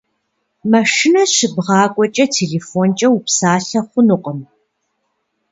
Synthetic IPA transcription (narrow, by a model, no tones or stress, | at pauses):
mɐʂɪnɐɕɪbʁɑːkʷʼɔt͡ʃʼɐtʰeːɮeːfont͡ʃʼɐwupsaːɬɐχʷʊnʊqʼəm